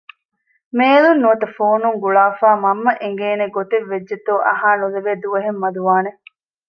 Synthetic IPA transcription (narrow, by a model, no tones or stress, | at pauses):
meːlunːuɐt̪ɐfoːnuŋɡuɭaːfaːmɐmːɐʔeŋɡeːneɡot̪eʋːed͡ʒːet̪oːʔɐ̰ɦaːnuleʋeːd̪uʋɐɦemːɐd̪uʋaːne